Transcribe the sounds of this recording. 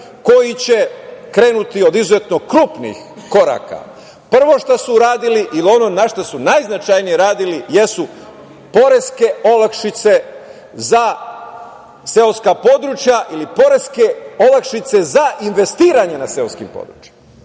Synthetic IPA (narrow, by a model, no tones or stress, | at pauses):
ko̞jit͡ɕekɾe̞ːnut̪io̞d̪izuze̞t̪no̞kɾuːpnḭx | ko̞ɾa̰ːka̰ | pr̩ʋo̞ʃt̪asuɾaːd̪iliʔilio̞no̞naʃt̪asunajznat͡ʃajnijeɾaːd̪ilijesu | po̞ɾe̞ske̞o̞lakʃit̪se̞ | za | seoskapo̞d̪ɾut͡ʃjaʔilipo̞ɾe̞skeolakʃit̪se̞zaʔinʋe̞st̪iːɾaɲe̞nase̞oskimpo̰d̪ɾṵt͡ʃje̥ma | a